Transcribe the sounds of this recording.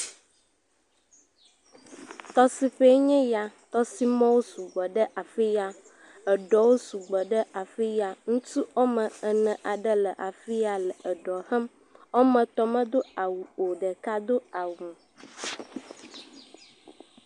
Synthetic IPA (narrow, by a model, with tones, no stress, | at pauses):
t̪ɔ˦si˨ɸe˦ɲɛ̃˦ja˨t̪ɔ˦si˦mɔ̃˦wo˦su˨ɡ͡bɔ˨ɖə˦ʔa˨fi˦ja˦ | ə˨ɖɔ˨wo˦su˨ɡ͡bɔ˨ɖə˦ʔa˨fi˦ja˨ŋũ˦t̪u˦o˦mə̃˨ə˨nɛ̃˨ʔa˨ɖə˦lə˨ʔa˨fi˦a˨lə˨ə˨ɖɔ˨hɛ˦m | o˦mə̃˨t̪ɔ˦mə̃˦d̪o˦a˨wu˨o˨ɖə˨ka˦d̪o˦a˨wũ˨